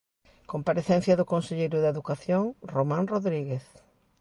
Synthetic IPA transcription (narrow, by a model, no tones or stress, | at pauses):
kompaɾeθɛnθjɐðʊkonseʎejɾʊðeðukaθjoŋromãnroðɾiɣeθ